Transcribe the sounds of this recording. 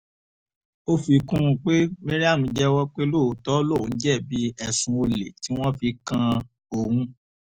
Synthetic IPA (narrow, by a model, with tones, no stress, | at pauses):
o˦fi˧kũ˦ũ˧k͡pe˦me˦ɾi˦a˦˨mũ˧d͡ʒɛ˦wɔ˦k͡pe˦lo˦˨˦tɔ˦lõ˦˨n̩˦d͡ʒɛ˦˨bi˨˦ɛ˨sũ˧o˧lḛ˨ti˨˦w̃ɔ̃˦fi˧kã˧ | o˨hũ˧